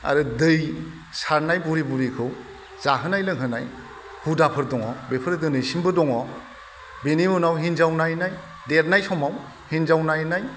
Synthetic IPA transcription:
a̰ɾɯdɯj | saɾnajbuɾibuɾikʰɯw | z̥aɦɯnajlɯŋɦɯna̰j | hudapʰɯɾdɔŋɔbepʰɯɾɯdɯnɯjsimbɯdɔŋɔ | benimunawɦinzawnajnaj | deɾnajsɔmaw | hinzawnajnaj

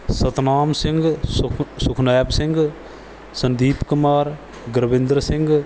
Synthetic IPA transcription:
sɐt̪naːmsɪ̃ŋɡ | sʊkʰnaːbsɪŋɡ | sə̃nd̪iːpkʊmaːɾ | ɡəɾbɪ̃nd̪ɾəsɪ̃ŋɡ

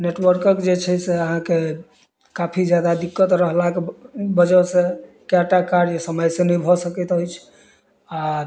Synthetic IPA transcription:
neʈwəɾkəkd͡ʒet͡ʃʰɛseəɦãke | kapʰid͡ʒjad̪ad̪ikːət̪ɾəɦlakebəd͡ʒəse | kaʈakaɾjesəməjsẽnəjbʱɔsəkɛt̪ɦojt͡ʃʰ | a

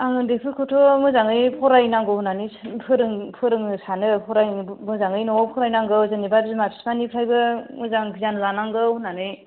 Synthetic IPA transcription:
aŋdepʰɯkʰɔtʰɔmɯzaŋɯjpʰɔɾajnaŋɡɯhunanɯjpʰɯɾɯŋpʰɯɾɯŋɯsanɯpʰɔɾajmɯzaŋɯjnɔpʰɔɾajnaŋɡɯwzanibajbzɯmapʰi̥spanipʰɾajbɯmɯzaŋkʰizanɯzanaŋɡɯwhunanɯj

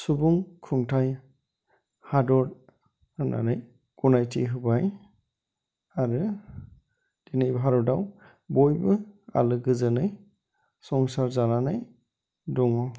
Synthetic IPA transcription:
subuŋkʰuŋtʰaj | hadɔɾ | ana̰naj | kunajtʰiɦɯbaj | aɾɯ | d̥inajbʱɦaɾɔdaw | bɔjbɯa̰lɯɡɯzɯnɯj | sɔŋsaɾzananaj | dɔŋɔ

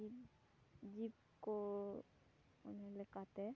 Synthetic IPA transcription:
ib | d͡ʒiːb | ko | ʊnẽlekat̪eɛ

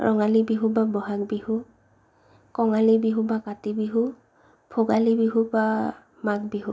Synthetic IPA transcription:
ɹʔɔ̰ŋalibiɦubabɔɦak̚bihu | kɔŋalibiɦubakatibiɦu | pʰoɡalibiɦuba | mak̚biɦu

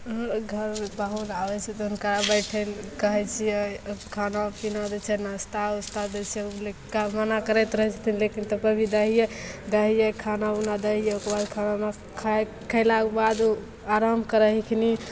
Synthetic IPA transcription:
ɡʱəɾebaɦulabɛt͡ʃʰɛt̪ɔunkəɾabəʈʰɛlkəɦɛt͡ʃʰijɛkʰanapinad̪et͡ʃʰɛnast̪aust̪ad͡ʒɛt͡ʃʰɛlekamanakəɾɛt̪ɾəɦɛt͡ʃʰə̥t̪ʰinlekint̪əpəɾbʱid̪əɦijed̪əɦijɛkʰanaunad̪əɦijɛokɾbad̪kʰaname | kʰ | kʰəɪlakebad̪u | aɾamkəɾəɦikʰni

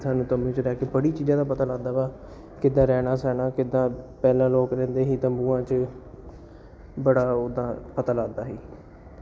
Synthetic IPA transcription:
sʰaːnũːt̪əmbũːt͡ʃɾɛːkeːbəɽiːt͡ʃiːd͡ʒãːd̪aːpət̪əlaːd̪aːbaː | kɪd̪ãːɾɛːnaːsɛːnaːkɪd̪ãːpɛːlãːloːkɾɛ̃ːnd̪eːɦiːt̪əmbuːãːt͡ʃ | bəɽaːod̪ãːpət̪əlaːd̪aːɦiː

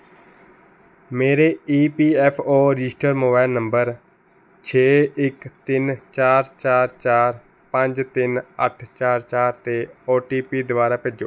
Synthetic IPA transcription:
meːɾeːiːpiːɛːpʰoːɾɪd͡ʒɪsʈəɾmoːbaːɪlnəmbəɾ | t͡ʃʰeːɪkt̪ɪnt͡ʃaːɾt͡ʃaːɾt͡ʃaːɾ | pə̃ɲd͡ʒt̪ɪnə̰ʈʰt͡ʃaːɾt͡ʃaːɾt̪eːoːʈiːpiːd̪ʊʋaːɾaːped͡ʒoː

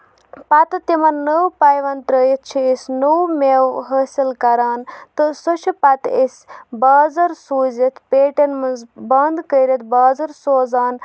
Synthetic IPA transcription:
pɐt̪ɨt̪imɐnnəwpajʋɐnt̪ɾəjit̪̚ʰt͡ʃʰiesʲnəwmewɦəːsilkɐɾaːnt̪ɨsot͡ʃʰipɐt̪esʲbaːzɐɾsuːzet̪ʰpeːʈenmɐnzbɐnd̪kəːɾet̪ʰbaːzɐɾsoːzaːn

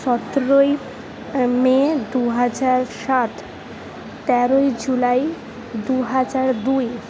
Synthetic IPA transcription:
ʃɔt̪ɾoj | med̪uɦad͡ʑaɾʃat̪ | t̪ɛɾojd͡ʑulaj | d̪uɦad͡ʑaɾd̪uj

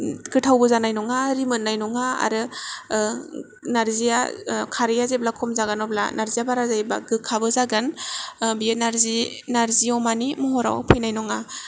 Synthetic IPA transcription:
ɡɯtʰawbɔzanajnɔŋaɾimɯnːajnɔŋaa̰ɾɯ | naɾzijakʰaɾijazeblakʰɔmzaɡanɔbla̰naɾzijabaɾazajba̰ɡɯkʰːabɯzaɡanbijenaɾzinaɾziɔmanimɔɦɔɾa̰wpʰɯjnajnɔŋa

